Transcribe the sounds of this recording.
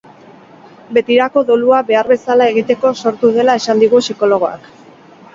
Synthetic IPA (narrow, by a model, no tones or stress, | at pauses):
be̞t̪iɾako̞ðoluaβe̞aɾβe̞salae̞ɣit̪e̞ko̞so̞ɾt̪uð̞e̞lae̞sand̪iɣ̞usiko̞lo̞ɣ̞o̞a̰k